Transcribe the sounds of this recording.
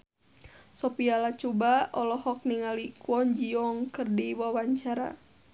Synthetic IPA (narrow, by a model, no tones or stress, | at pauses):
sɔpialat͡ʃubaɔlɔhɔk̚niŋalikwɔɲd͡ʒiɔŋkɨrdiwawaɲt͡ʃaɾa̰